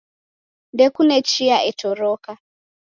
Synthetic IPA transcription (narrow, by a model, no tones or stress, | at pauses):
ndɛkunɛt͡ʃiaʔɛtɔɾɔka